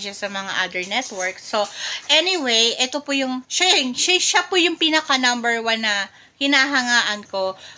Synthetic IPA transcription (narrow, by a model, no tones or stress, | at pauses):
d͡ʒɐsɐmɐŋa̰ʔad̪ɛɹnɛt̪wɛɹksːoʔɛnɪwejʔɛt̪opʊjʊŋʃɐŋʃɐʃɐpʊjʊŋpiːnɐkɐnɐmbɛɹwanːɐ | hɪnaːɦɐŋaːʔɐnko̞